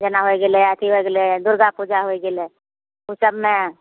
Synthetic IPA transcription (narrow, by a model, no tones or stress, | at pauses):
d͡ʒənaɦoeɡeleət̪ʰiɦoeɡeled̪ʊɾɡapud͡ʒaɦoeɡɪle | ʊsəbmẽ